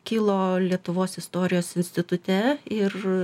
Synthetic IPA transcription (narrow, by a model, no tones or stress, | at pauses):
kʲiːlˠoːlʲiɛt̪ʊʋoːsɪst̪oːɾʲɪjoːsɪnʲsʲt̪ʲɪt̪ʊt̪ʲɛɪr